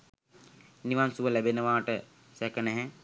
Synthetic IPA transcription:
niʋansuʋəlæbenəʋaːʈə | sɛkənɛɦɛ

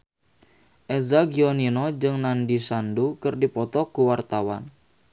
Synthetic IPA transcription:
ʔɛzaɡiɔninɔd͡ʒɨŋnandisandukɨrdipɔt̪ɔkuwart̪awa̰n

